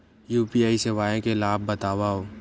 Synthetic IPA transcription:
juːpiaːiseʋaːẽkelaːbːɐt̪aːʋaɦoː

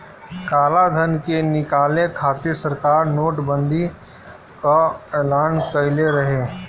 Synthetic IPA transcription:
kaːlad̪ʱənkenɪkaːlekʰaːt̪isəɾkaːɾnoːʈbə̃nd̪ʱi | kaeːlaːnkəɦɪleɾɐɦeː

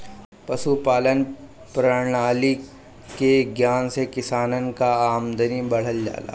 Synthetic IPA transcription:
pɐʃupaːlən | pɾə̃aːli | keɡjaːnsekɪsaːnənkaaːmd̪ənibɐɽ̤əld͡ʒa̰ːla̰ː

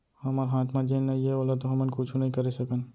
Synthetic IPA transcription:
hɐmaɾɦaːt̪ʰmãd͡ʒeːnːɐiɛoːlat̪oɦɐmənkʊt͡ʃʰũnɐɦĩkɐɾesɐkən

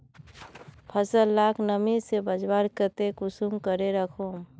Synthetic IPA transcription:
pʰəsəlːakʰnəmisebəd͡ʒwaɾkət̪ekʊsumkəɾeɾəkʰom

